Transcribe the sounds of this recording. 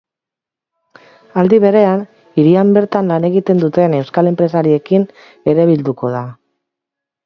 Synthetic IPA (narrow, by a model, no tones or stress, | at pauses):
ald̪iβe̞ɾe̞an | iɾiambe̞ɾt̪anlane̞ɣ̞it̪e̞nd̪ut̪e̞ne̞wskale̞mpɾe̞saɾie̞kin | e̞ɾeβ̞ild̪uko̞ða